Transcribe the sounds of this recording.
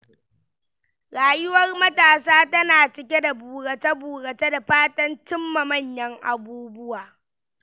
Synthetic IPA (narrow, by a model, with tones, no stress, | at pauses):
ɾaː˨jʊ˦wɐ˦rmɐ˦taː˨saː˦tɐ˦naː˨t͡ʃɪ˨kʲe˦da˨buː˨ɾɐ˨t͡ʃɐ˦buː˨ɽɐ˨t͡ʃe˦da˨ɸaː˦tɐ˦nt͡ʃɪ˦mːɐ˨mɐ˦˨ɲjɐ˦ŋʔa˨buː˦bʊ˦waː˨